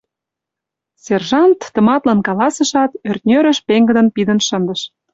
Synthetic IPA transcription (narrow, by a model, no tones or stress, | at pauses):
sʲerʒɑnt̪ːə̆mɑt̪lɑnkɑlɑsəʃɑt̪ørt̪̚nʲøɾə̆ʃpeŋɡə̆d̪ə̆npid̪ənʃə̆nd̪əʃ